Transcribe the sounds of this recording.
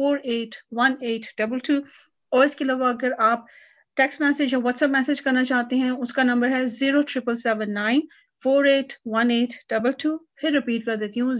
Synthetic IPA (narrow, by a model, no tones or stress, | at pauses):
foːɾeːʈʋɐneːʈɖɐbəlʈʰuː | ɔːɾɪskelaːʋaɐɡəɾaːp̚ | ʈɛːksmɛːseːd͡ʒjɔːʋɔʈsɛpmɛːsed͡ʒkɐɾnat͡ʃaːt̪eɦɛ̃ʊskanɐ̃mbəɾɦɛziːɾoʈɾɪpəlsɛːʋə̃nːãːɪ̃n | foːɾeːʈʋɐneːʈɖ̥ɐbəlʈuːpʰɪɾːɪpiːʈ̚kɐɾd̪eːt̪iɦũ